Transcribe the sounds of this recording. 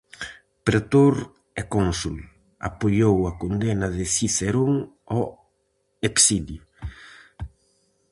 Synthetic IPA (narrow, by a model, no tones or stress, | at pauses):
pɾet̪oɾ | ɛkonsul | a̰pojowakond̪ɛnɐðɪsiseɾoŋɔ | eksidju